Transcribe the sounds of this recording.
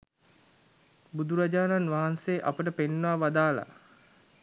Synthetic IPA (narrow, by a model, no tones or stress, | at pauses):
bud̪uɾad͡ʒaːnanʋaɦanseːʔapəʈəpenːʋaːʋad̪aːla̰